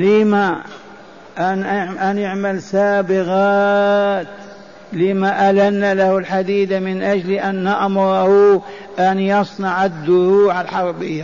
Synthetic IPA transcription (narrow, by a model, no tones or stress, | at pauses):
lima | ʔanʔanɪʕmalsaːbɪɣaːt̪ | limaʔalanːalahʊlħad̪iːd̪amɪnʔad͡ʒliʔanːaʔmʊɾˤɑhu | ʔanjɑsˤnɑʕad̪ːʊɾuːʕalħɑɾˤbɪjːa